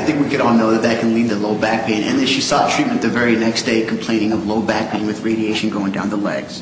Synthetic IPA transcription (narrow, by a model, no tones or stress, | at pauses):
aɪθɪ̃ŋkwikɨɾɔlˠnoʊðɨt̪̚ðɨt̚kʰɨ̃n̩lid̪̚ðəloʊbæk̚pʰẽɪ̃nʔɨ̰̃nðɨ̃nʃisɔtʰɹ̥it̚mɨ̃nðɨvɛɹinɛksd̥eɪkʰm̩pʰl̥ẽɪ̃ñɪ̃ŋʌvloʊbæk̚pʰẽɪ̃nwɨðɹeɪɾieɪʃɨ̃n̩ɡoʊɪ̃ŋdãʊ̃nðəlɛ̰ɡz̥